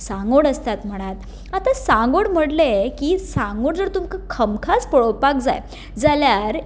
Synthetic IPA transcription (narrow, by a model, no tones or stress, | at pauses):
sãŋɡoɽəst̪at̪m̤əɽ̃at̪ | at̪asãŋɡoɽm̤əɽlekiːsãŋɡoɽd͡zəɾt̪umkakʰəmkʰat͡spəɽowpak̚d͡za̰j | d͡zaljaɾ